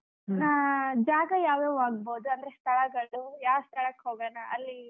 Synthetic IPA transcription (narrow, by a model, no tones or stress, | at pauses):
naːd͡ʒaːɡɐjaːʋjeʋaːɡ̚boːd̪uɐnd̪ɐɾest̪ʰɐɭɐɡɐɭujaːʋst̪ʰɐɭɐkɦoːɡɐnɐʔɐlːi